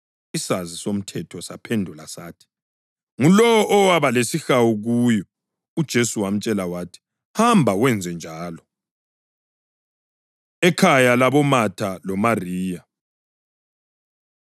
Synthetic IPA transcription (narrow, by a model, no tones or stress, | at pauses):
isazisom̩tʰɛtʰɔsa̰pʰendʱulasaːtʰi̥ | ŋulɔwɔʔɔwaβalesixawuɣujɔ | ud̥ʒ̥ʱesuwam̩t͡ʃʼɛlawaːtʰi̥ | hambʱawɛnd͡zʱɛnd͡ʒʱaːlɔ | ɛkʰajalaβɔmatʰalɔmariːja